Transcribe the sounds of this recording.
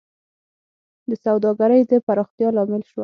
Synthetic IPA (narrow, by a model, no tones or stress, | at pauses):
d̪əsawd̪ɑɡaɾəjd̪əpaɾɑxt̪jɑlɑmɪlʃwə